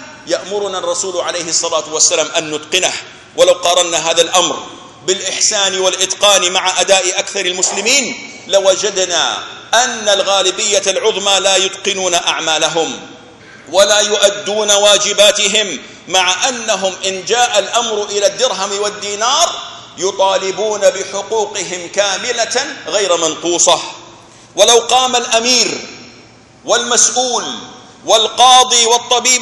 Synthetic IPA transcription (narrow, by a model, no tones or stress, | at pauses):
jaʔmʊɾʊnarˤːɑsuːlʕalejhɪsˤːɑlaːt̪ʊwasːalaːmʔanːʊt̪qɪnah | wʔalawqɑɾˤɑnːaɦaːðalʔamɾ | bɪlʔɪħsaːnɪwalʔɪt̪qɑːnɪmaʕaʔad̪aːʔɪʔakθɑɾˤɪlmʊslɪmiːn | lawad͡ʒad̪na̰ːʔanːalɣaːlɪbɪjːalʕʊðˤmalajʊd̪qɪnuːnaʔaʕmaːlaɦʊm | walaːjʊʔad̪ːuːnawaːd͡ʒɪbaːt̪ɪɦɪmː | aʕaʔanːaɦʊmʔɪnd͡ʒaːʔalʔamɾʔɪlad̪ːɪɾɦamwad̪ːiːnɑːɾˤ | jʊt̪ˤɑːlɪbuːnabɪħʊquːqɪɦɪmkaːmɪlaɣajɾmanquːsˤɑ | walawqɑːmalʔamiːɾ | walmasʔuːl | wɪlqɑːd̪ˤiːwɑt̪ˤːɑbiː